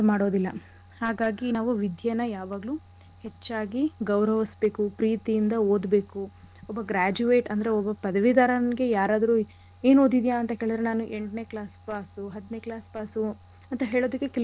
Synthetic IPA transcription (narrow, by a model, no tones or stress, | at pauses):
maːɽoːd̪ilːɐ̰ | haːɡaːɡinaːʋuʋid̪ʱjɐnɐjaːʋaːɡlu | het͡ʃːaːɡiɡɐwɾɐʋisbe̞ːkupɾiːt̪ijind̪ɐoːd̪be̞ːku | ɔbːɐɡɾaːd͡ʒuʋe̞ːʈɐnd̪ɐɾe̞ɔbːɐpɐd̪ɐʋid̪aːɾɐnɡe̞jaːɾaːd̪ɐɾu | e̞ːno̞ːd̪id̪ijaːnt̪ɐɦeːɭd̪ɐɾenaːnuʔe̞ɳʈne̞ːklaːspaːsuɦɐd̪ːine̞ːklaːspaːsu | ɐnt̪ɐɦe̞ːɭoːd̪ɐkːekɛl